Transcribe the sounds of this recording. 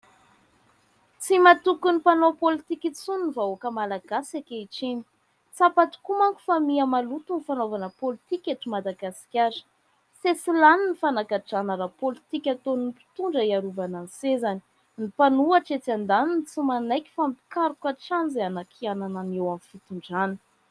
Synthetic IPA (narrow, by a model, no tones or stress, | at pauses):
t͡simat̪ukunipanopolit̪ikit͡suninivaokəmalaɡasakeiʈ͡ʂeni̥ | t͡sapat̪u̥kumaŋku̥famiamalut̪unifanovanəpolit̪ikʲeʈ͡ʂimad̪aɡasi̥kʲaɾ̥ | sesilaninifanakaʈ͡ʂanəɾapolit̪ikʲat̪oninipi̥t̪uɳɖ͡ʐəiaɾuvanansezani̥ | nipanuaʈ͡ʂet͡sand̪anint͡simanajkʲi̥fampi̥kaɾukaʈ͡ʂanzeanakʰianananewamifit̪uɳɖ͡ʐani̥